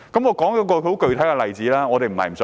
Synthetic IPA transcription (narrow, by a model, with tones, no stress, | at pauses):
kɐ˨˦mŋɔː˨˧kɔː˨˥ŋjɔː˨˦˥kɔː˧˨˧o˨˥kɵ˨˧ɥt̪ʰɐ˨˥jkɛ˧lɐ˨jt͡siː˨˥laː˦˥ŋɔː˨˧t̪e˨jm̩˨˩hɐ̰˨jm̩˨˩s